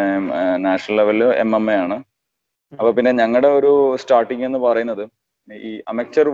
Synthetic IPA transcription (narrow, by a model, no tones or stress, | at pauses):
naːʂɐɳɐlleʋɐlḛmemejaːɳɨ | ɐpːoːpinːe̞ɲɐŋːɐɭɽe̞o̞ɾustaːrʈːiŋɡe̞nːɨpɐrɐjunːɐðɨ | iːʔɐmek̚t͡ɕɐr